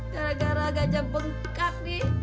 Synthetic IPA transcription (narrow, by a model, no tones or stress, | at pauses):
ɡaɾaɡaɾaɡad͡ʒabəŋ | kak̚di